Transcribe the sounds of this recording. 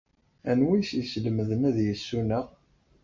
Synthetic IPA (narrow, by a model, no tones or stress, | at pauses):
ænwisisləməðənæðjəsːunæʁ